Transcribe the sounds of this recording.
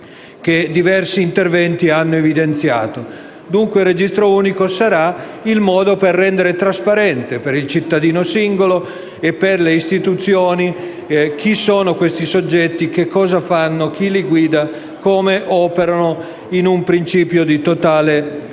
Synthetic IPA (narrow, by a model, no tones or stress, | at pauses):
k̟ed̪ivɛrsiːnt̪ervɛnt̪ianːoevid̪ent̪sja̰ːt̪o | d̪uŋkwerːed͡ʒist̪ɾouːnikosaɾailmɔːd̪operːɛnd̪eɾet̪ɾaspaɾɛnt̪epeɾilt͡ʃit̪ːad̪iːnosiŋɡolo | epːerleist̪it̪ut̪sjoːni | k̟isoːnokwest̪isod͡ʒːɛt̪ːik̟ekːɔːzafanːok̟iliɡwiːd̪a | koːmeʔɔːpeɾano | inumpɾint͡ʃiːpjod̪it̪ot̪aːle